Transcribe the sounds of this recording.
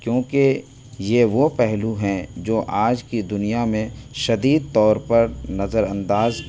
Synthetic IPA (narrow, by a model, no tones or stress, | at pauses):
kjõːke | jeʋopɛɦluɦɛ̃d͡ʒoːʔaːd͡ʒkid̪ʊnijamẽʃɐd̪iːd̪̚t̪ɔːɾpɐɾnɐzəɾɐ̃nd̪aːz